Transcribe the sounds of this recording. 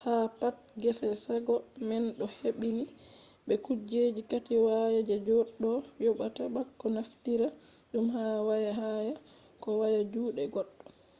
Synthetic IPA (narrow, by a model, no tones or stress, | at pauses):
hapat̚ | ɡɛfɛsaɡɔmɛnɗɔheɓini | ɓɛkud͡ʒed͡ʒikatiwajad͡ʒɛd͡ʒɔɗːɔjɔɓataɓakːɔnaftiɾa | ɗumhawajaɦaja | kɔwajad͡ʒuːɗɛɡɔɗːɔ